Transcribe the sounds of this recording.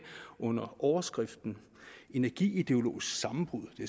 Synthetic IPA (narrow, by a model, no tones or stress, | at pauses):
ʔɔ̽n̰ɐʔɒʊɐsɡ̥ʁɛfd̥n̩ | e̝nɐɡ̥ḭːid̥e̝o̝lo̝̰ːisɡ̥sɑ̈mm̩b̥ʁuð̰ˠd̥e̝